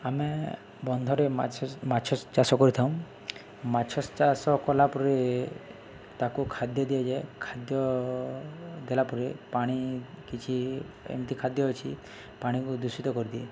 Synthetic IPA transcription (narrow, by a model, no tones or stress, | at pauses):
ame | bɔnd̪ʱɔɾemmat͡ʃʰɔst͡ʃasɔkɔɾit̪ʰaw̃ | mat͡ʃʰɔst͡ʃasɔkɔlapuɾe | t̪akukʰad̪jɔd̪ied͡ʒekʰad̪jɔ | d̪elapuɾepaɽ̃ikit͡ʃʰi | ḛmt̪ikʰad̪jɔɦɔt͡ʃʰi | paɽ̃ikud̪usit̪ɔkɔɾid̪ie